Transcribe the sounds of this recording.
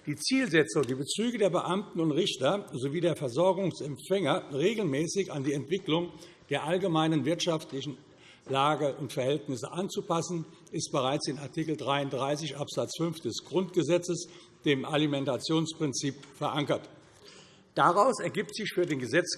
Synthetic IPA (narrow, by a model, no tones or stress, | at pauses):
d̥iːt͡siːlzɛt͡sʊŋdiːbət͡syːɡədeːɐbəʔamtn̩ʊntʁɪçtɐzoviːdeːɐfɛɐzɔɐɡʊŋsɛmfɛŋɐʁeːɡl̩mɛːsɪçandiːɛntv̥ɪklʊŋ | d̥eːɐʔalɡəmaɪnənvɪɐtʃaftlɪçn̩ | laːɡəʔʊntfɛɐɦɛltnɪsəʔant͡supʰasn̩ | ʔɪst̚b̥əʁaɪt͡sɪnaɐtʰiːkl̩dʁaɪʊntdʁaɪs̬ɪçʔapz̥at͡sfʏnfd̥ɛsɡ̥ʁʊntɡ̥əzɛt͡səs | d̥eːmʔalimɛntat͡sjoːnspʁ̥ɪnt͡siːpfɛɐʔaŋkɐt | d̥aʁaʊsɛɐɡiːp̚tz̥ɪçfyːɐdeːnɡəzɛt͡s